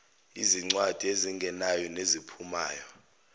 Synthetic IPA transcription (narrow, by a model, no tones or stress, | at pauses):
ḭziŋ͡ǀwad̥ʱieziŋɡʱɛnajɔnezipʰuma̰ːjɔ